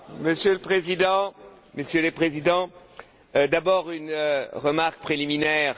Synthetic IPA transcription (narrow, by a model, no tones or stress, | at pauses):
məsjøləpχezid̪ɑ̃ | məsjələpχezid̪ɑ̃ | d̪abɔʁynʁəmaʁk̚pχeliminɛːʁ